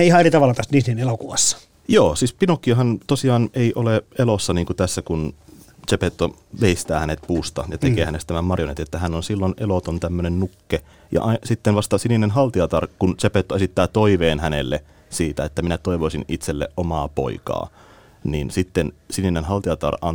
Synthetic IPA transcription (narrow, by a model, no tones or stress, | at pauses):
eihɑerit̪ɑʋɑlːɑt̪ɑst̪niːsnienelokuʋɑsːɑ̥ | joːsiːspinokːˑiɑhɑnt̪osiɑːneiʔoleelosːɑniːŋkut̪æsːækun | t͡ʃepet̪ːo | ʋeist̪æːhænet̪̚puːst̪ɑ̰jɑt̪ekeːhænest̪æmæmmɑrjonet̪et̪ːæhænːonsilːonʔelot̪ont̪æmːønennukːe | jɑ̰ʔɑsit̪ːenʋɑst̪ɑsininenɦɑlt̪iɑt̪ɑrkunt͡ʃepet̪ːoesit̪ːæːt̪oiʋeːnhænḛlːe | siːt̪æet̪ːæminæt̪oiʋoisinit̪selːḛʔʔomɑːpo̰ikɑ̰ː | niːnsit̪ːensininenɦɑlt̪iɑt̪ɑ̰rɑ̰n